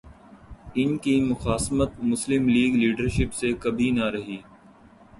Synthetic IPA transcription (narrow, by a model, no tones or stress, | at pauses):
ɪnkimʊxaːsmət̪̚mʊslɪmliːɡliːɖəɾʃɪpsekɐbʱinɐɾɐɦiː